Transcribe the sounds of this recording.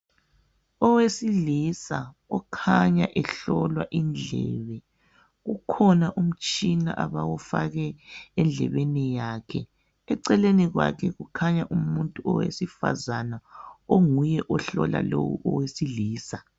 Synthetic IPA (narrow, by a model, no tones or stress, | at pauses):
ɔwesilisa | ɔkʰaɲaʔɛɬɔlwaʔind͡ɮʱɛːβɛ | ɣukʰɔnaʔum̩t͡ʃʼinaʔaβawufaɣɛːnd͡ɮʱɛβenijaːkʰɛ | ɛǀɛleniɣwa̰kʰɛɣukʰaɲaʔumuntʼuɔwḛsifa̰zanaoŋujɛʔɔɬɔla̰lowṵʔɔwesiliːsa